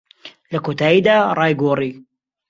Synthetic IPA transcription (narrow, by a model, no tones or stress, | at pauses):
lɐkoːt̪aːjiːd̪aːrˤɑːjɡoːrˤiː